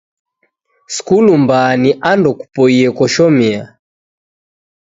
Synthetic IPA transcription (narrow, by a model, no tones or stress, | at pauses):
skulumbaniʔandɔku̥pɔiɛkɔʃɔmia